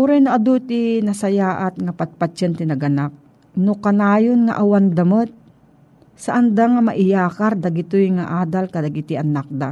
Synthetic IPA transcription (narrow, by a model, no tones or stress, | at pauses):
uɾanaʔɐd̪ut̪inɐsɐjaːʔat̪̚ŋɐpat̪̚pat͡ʃant̪ɪnɐɡɐnak̚ | nʊkɐnaːjonŋa̰ʔawand̪ɐmot̪̚ | sɐʔɐnd̪aŋamɐʔɪjaːkaɾd̪ɐɡɪt̪ojŋaʔaːd̪alkɐd̪ɐɡɪt̪ɪʔɐnak̚d̪a